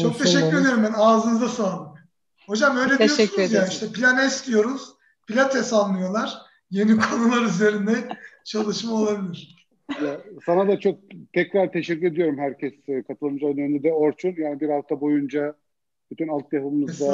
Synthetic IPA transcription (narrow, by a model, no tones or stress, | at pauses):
t͡ʃʰo̞k̚t̪ʰeʃɛkcʲːyɾe̞d̪ijo̞ɾumbænaːzɯnɯzd̪asalˠ | ho̞d͡ʒamø̞jlʲeiioɛsezjaːniʃt̪ʰɛpʰilʲanɛst̪ʲijo̞ɾuz̥ | pilʲat̪ʰɛsanlːˠɯjo̞lˠaɾ̥ | je̞nikʰo̞nulˠaɾyze̞ɾind̪ɛt͡ʃʰalˠɯʃmao̞lˠabilʲiɾ | jasanad̪at͡ʃʰo̞k̚t̪ʰɛcɾaɾt̪ʰeʃɛckʲːyɾe̞d̪ijo̞ɾumhæɾcʰɛskʰat̪ʰɯlˠɯmzanend̪ɛd̪ɛo̞ɾt͡ʃʰunjaːnibiɾhaft̪ʰabo̞jund͡ʒa | b̥yt̪ʰynalˠt̪̚japɯmɯzd̪a